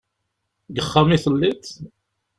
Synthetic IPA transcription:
ɡəχːamiθəlːit̪

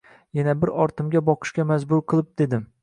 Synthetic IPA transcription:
janabɪɾɒɾt̪ʰɪmɡʲabɒqʰɨ̥ʃkʲamazbʊɾqʰɨlˠɪp̚d̪̥e̞d̪ɪm

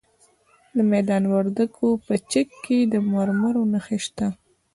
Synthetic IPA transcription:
d̪əmɛjd̪ɑnwaɾd̪əɡʰopət͡ʃɪkːed̪əmaɾmaɾonəxeʃt̪a

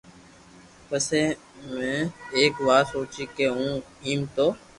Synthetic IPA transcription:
pəseː | mẽːeːkʋaːɾsoːt͡ʃiːkeːɦũː | iːmt̪oː

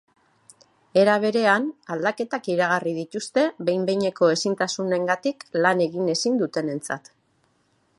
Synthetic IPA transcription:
e̞ɾaβ̞e̞ɾe̞anald̪ake̞t̪akiɾaɣ̞arið̞it̪ust̪e̞βe̞jmbe̞jɲe̞ko̞e̞sint̪asune̞ŋɡat̪iklane̞ɣine̞sind̪ut̪e̞ne̞nt͡sa̰t̪

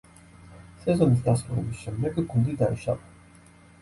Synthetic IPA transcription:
sɛzɔnis̬d̪asuɾɛbisʃɛmd̪ɛɡɡund̪id̪aḭʃa̰va

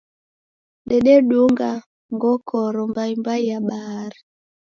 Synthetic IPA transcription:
ɗɛɗeɗuŋɡa | ŋɡɔkʰɔɾɔmbaimbajaɓaɾi

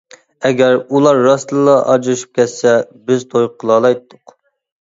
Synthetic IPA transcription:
ɛɡʲɛɾulˠɑɾːɑslˠəlˠɑʔɑd͡ʒɾɨʃy̥p̚kʲʰɛt̪sɛbɪzt̪ʰojqʰəlˠɑːlˠɑjt̪ʰːʊq

